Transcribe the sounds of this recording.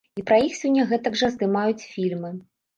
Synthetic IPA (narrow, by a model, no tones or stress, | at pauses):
ipɾɐjixsʲɔnʲːɐɣɛt̪ɐɡʐɐzd̪ɨmajut͡sʲfʲilʲmɨ